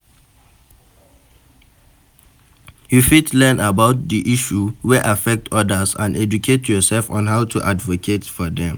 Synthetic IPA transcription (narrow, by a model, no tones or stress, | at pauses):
jufitlɛ̃nabaʊt̚diʔiʃuwɛʔafɛk̚tʰɔdəsã̰ndɛd͡ʒukʰetjɔsɛlfɔ̃nɦaʊtʰuʔadvokʰetfɔdɛ̃m